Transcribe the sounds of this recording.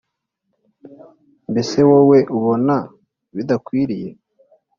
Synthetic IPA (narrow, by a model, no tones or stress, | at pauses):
mbe̞se̞wowe̞ʔuβo̞na | βid̪akwiːɾije̞